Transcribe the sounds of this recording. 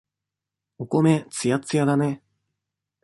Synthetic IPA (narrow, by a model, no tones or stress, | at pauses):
okomet͡sɨjat͡sɨjad̪ane